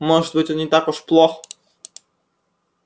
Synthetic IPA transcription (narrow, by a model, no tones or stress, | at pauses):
moʐɨd̪̚bɨtʲɔnnʲɪt̪akʊʂplˠox